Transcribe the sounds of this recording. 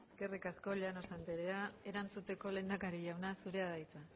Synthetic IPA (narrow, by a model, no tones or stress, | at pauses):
eske̞rikasko̞ʎano̞sant̪eɾeae̞ɾant͡sut̪e̞ko̞le̞nd̪akaɾiʝawnasuɾe̞aðajt͡sa